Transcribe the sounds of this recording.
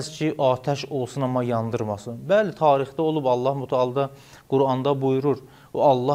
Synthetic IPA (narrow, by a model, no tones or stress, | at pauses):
zcʰiʔɑːt̪ʰæʃo̞lˠsunɑmɑjɑnd̪ɯɾmɑsɯbælit̪ʰɑːɾiχd̪ɑo̞lˠubɑlˠːɑhmut̪ʰɑɑlˠd̪ɑ | ɡ̥uɾɑnd̪ɑbujuɾuɾ | oɑlˠːɑ